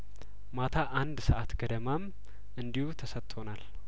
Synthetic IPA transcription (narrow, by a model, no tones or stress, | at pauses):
mat̪ʰaʔand̪səʔat̪ɡəd̪əmam | ʔɨnd̪ihut̪ʰəsət̪t̪ʼːʰo̞nal